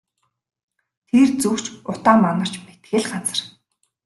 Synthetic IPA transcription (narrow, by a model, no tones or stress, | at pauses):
t̪ʰert͡sukt͡ɕʊt̪aːmːanə̆r̥t͡ɕmet̪xɘ̆ɮɢat͡sə̆r